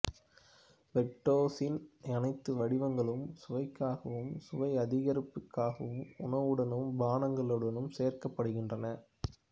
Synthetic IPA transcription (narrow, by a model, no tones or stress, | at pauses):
ʋɛʈːoːsɪnɛnɐɪt̪ːɯʋɐɽɪʋɐŋɡɐɭɯmsʊʋɐɪkːaːɣɐʋɯmsʊʋɐɪɐðɪɣɐɾɪpːɯkːaːɣɐʋɯmʊnɐʋɯɽɐnɯmbaːnɐŋɡɐɭɯɽɐnɯmseːrkɐpːɐɽɯɣɪndrɐnɐ